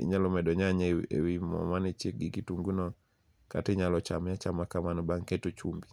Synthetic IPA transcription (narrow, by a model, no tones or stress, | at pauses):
ḭɲalɔmɛdɔɲaɲɛḛwimɔ̰manet͡ʃek̚ɡikituŋɡunɔ | ka̰tiɲalɔt͡ʃamɲat͡ʃamakamanbaŋkɛtut͡ʃumbi